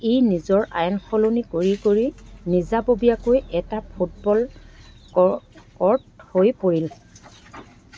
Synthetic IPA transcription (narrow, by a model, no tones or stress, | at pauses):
ejnizɔɹʔa̰jɔnxɔlonikoɹikoɹinizabobijakojʔɛtapʰut̚bɔl | kɔɹthojpoɹil